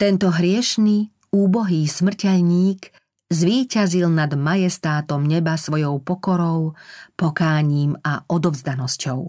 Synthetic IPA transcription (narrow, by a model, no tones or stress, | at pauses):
t̪ɛnt̪ɔɦɾɪɛʃni | uːbɔɦiːsmr̩cɛʎɲiːk | zʋiːcazilnad̪majɛst̪aːt̪ɔmɲɛbasʋɔjɔʊpɔkɔɾɔʊpɔkaːɲiːmaɔd̪ɔvzd̪anɔscɔ̰ʊ